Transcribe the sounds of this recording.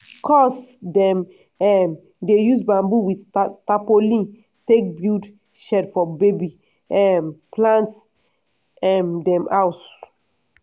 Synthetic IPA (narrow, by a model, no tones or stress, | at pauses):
kʰɔsdɛ̃m | ɛm | dejusbãmbuwidtapolĩ | tek̚bjud | ʃɛdfɔbebi | ɛmplãnt | ɛmdɛ̃mawt